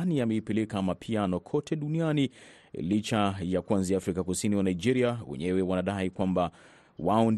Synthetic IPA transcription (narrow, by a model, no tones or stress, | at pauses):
niamɛipɛlɛkamapʰianɔkʰɔtʰɛɗuniani | lit͡ʃajakuanziaːfɾikakusiniwanaid͡ʒɛɾiawɛ̰ɲɛwɛwanaɗaikwamba | waɔn